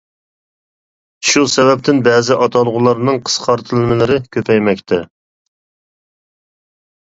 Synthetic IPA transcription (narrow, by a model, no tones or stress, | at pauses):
ʃusɛvɛp̚t̪ʰɪnbɛːzɪʔɑt̪ʰɑlˠʁʊlˠɑɾnɨŋqʰə̥sqʰɑɾt̪ʰɨlˠɨmɪlɪɾɪkʲʰøpʰɛjmɛk̚ʲt̪ʰɛ